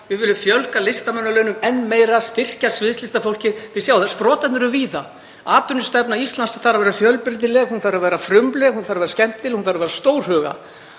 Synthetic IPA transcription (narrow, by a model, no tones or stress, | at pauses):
vɪðvɪlːʏmfjœlkalɪst̪amœnːalœɥnʏmɛnːmeːjɾḁst̪ɪr̥casvɪðst̪lɪst̪afowl̥cɪɾθɪsjaːwθaspɾɔːt̪at̪nʏɾʏviːða | aːt̪ʏnʏst̪ɛpnaist̪lansaθaɾavɛːɾafjœlpɪɾt̪̬ɪlɛɣhunθaɾavɛːɾafɾʏmplɛɣhunθaɾavɛɾascɛm̥t̪ːɪlhunθaɾavɛːɾast̪oːwɾ̥ɦœːɣa̰